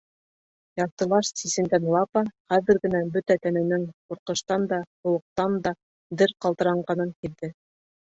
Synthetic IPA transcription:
jɑt̪ɤ̆lˠɑʃsisɘ̆nd̪ænlˠɑpɑχæðɘ̆ɾɡɘ̆næbɵt̪æt̪ænænɘŋquɾqɤ̆ʃt̪ɑnd̪ɑhŏwˠɤ̆q̚t̪ɑnd̪ɑ | d̪ɘɾqɑlˠt̪ɤ̆ɾɑɴɢɑnɤŋkiɾdɘ

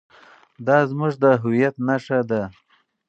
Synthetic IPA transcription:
d̪ɑzmuʐd̪əɦʊwijat̪naʂad̪a

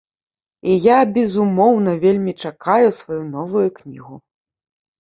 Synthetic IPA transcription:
ijabʲɛzumɔwnɐvʲelʲmʲit͡ʂakajusvajunɔvujuknʲḭɣu

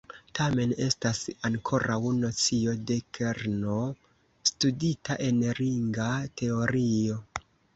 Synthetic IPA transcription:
tame̞ne̞stasaŋkʰo̞ɾʔawno̞t͡sio̞de̞kʰeɾno | studitaʔe̞nɾiŋɡatʰe̞o̞ɾio̞

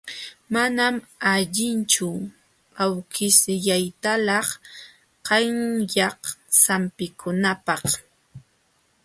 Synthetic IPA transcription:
manamaʎɪnt͡ʃʊ | awkɪsɪʎajt̪alɑχ | qɑŋjɑqsampɪkʰʊnapɑχ

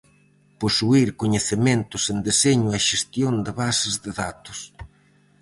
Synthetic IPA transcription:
posuiɾkoɲeθɪmẽnt̪ʊsend̪eseɲʊɛʃest̪jond̪ɪβasɪzðɪðat̪ʊ̥s

